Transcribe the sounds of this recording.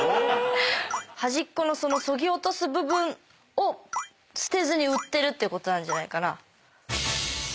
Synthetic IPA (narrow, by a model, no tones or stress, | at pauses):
haʑikːo̞no̞so̞no̞so̞ɡʲio̞t̪o̞sɨbɯ̟bɯ̟̃ɴ | o̞ | sɨ̥t̪e̞zɨɲ̟iɯ̟t̪ːe̞ɾɯ̟t̪ːe̞iɯ̟kot̪o̞nãɲ̟d͡ʑanaikana̰